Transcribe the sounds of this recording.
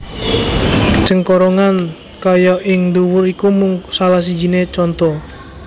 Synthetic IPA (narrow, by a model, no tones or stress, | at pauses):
d͡ʒ̥əŋkɔɾɔŋan | kajɔʔɪŋd̪uwʊɾikumʊŋsalahs̬id͡ʒinet͡ʃɔnt̪ɔ